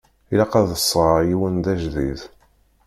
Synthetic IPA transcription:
ilæqæðəsˤːʁɑjiwənd̪æʒðḭð

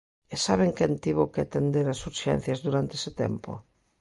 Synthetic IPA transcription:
esaβeŋkɛnt̪iβokeat̪end̪eɾasuɾʃɛ̰n̟θjazðuɾant̪ee̥sɪt̪ɛ̰mpo̰

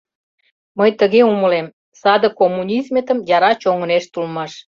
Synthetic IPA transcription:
məjt̪əɣeuməlem | sɑd̪ə̆komːunʲizmet̪əmjɑɾɑt͡ɕoŋə̆neʃt̪ulmɑʃ

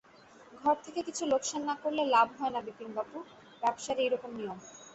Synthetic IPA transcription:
ɡʱɔɾt̪ʰekekit͡ɕʰulokʃanːakoɾlelabʱɦɔenabipinbapu | bɛbʃaɾejɾɔkomnijom

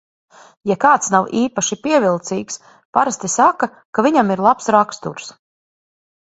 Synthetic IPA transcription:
jakaːt̪snawiːpaʃipiɛvilˠt̪siːks | paɾast̪ʲisaka | kaviɲamiɾlˠapsɾakst̪ṵɾs

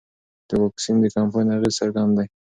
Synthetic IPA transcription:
d̪̥əwɑksind̪əkampɑjnaɣezsaɾɡand̪aj

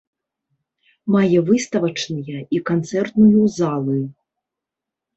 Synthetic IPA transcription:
majɛvɨst̪ɐvɐt͡ʂnɨjɐikant̪sɛrt̪nɨjɐzalˠɨ

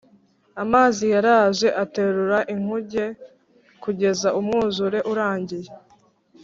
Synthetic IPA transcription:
amaːzijaɾaːʒe̞ʔate̞ɾuɾaʔiŋ̥huɟe̞ | kuɟe̞zaumŋuːzuɾe̞ʔuɾaːɲɟije

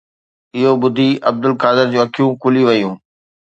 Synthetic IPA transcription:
ɪɦobʊd̪ʱiɐb̚d̪ʊlkaːd̪ɪɾd͡ʑũɐkʰijũkʊliʋɐjũː

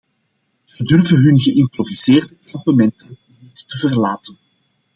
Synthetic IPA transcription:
zədʏrvəɦɵnɣəʔɪmproviz̥eːrdəkɑmpamɛntən | nitːəvərlaːtən

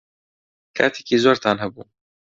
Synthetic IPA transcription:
kʰɑːt̪ʰekiːzoːɾt̪ɑːnɦɛbṵː

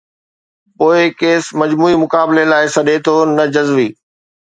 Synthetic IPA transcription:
poːɪkeːsmɐd͡ʑmuːimʊkaːbɪlelaːɪsɐɗet̪ʰonɐd͡ʑɐzʋiː

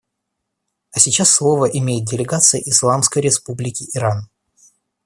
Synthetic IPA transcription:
ɐsʲɪt͡ɕasːlˠo̞vəʔɪmʲejɪt̪̚dʲɪlʲɪɡat̪sɨjɪʔɪslˠamskəjɾʲɪspublʲɪkʲɪʔɪɾan

